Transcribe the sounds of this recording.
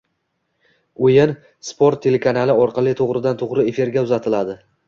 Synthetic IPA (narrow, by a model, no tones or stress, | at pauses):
ojɪn | spʰoɾt̪ʰːe̞le̞kʰanalɪɒɾqʰɑlˠɪt̪ʰoʁɾɪd̪ant̪ʰoʁɾɪe̞fiɾɡʲaʊzat̪ʰɪlad̪ɪ